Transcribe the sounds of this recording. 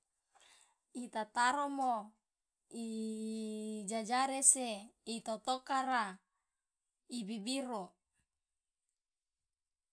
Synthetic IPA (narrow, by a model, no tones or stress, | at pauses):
it̪at̪aɾomo | i | d͡ʒad͡ʒaɾeseit̪ot̪okaɾa | ibibiɾo